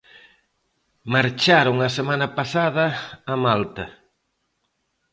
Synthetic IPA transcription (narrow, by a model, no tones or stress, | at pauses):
maɾt͡ʃaɾoŋɐsemãnɐpasaðɐːmalt̪ɐ